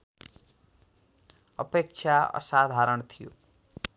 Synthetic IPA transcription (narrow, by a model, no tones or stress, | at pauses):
ʌpek̚t͡ʃʰjaʌ̰sad̪ʱaɾʌnt̪ʰijo̰